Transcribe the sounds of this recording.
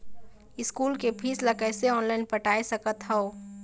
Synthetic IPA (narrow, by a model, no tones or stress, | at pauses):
ɪskuːlkepʰiːslakɛːseɔːnlaːɪnpəʈaːesəkət̪ɦɛo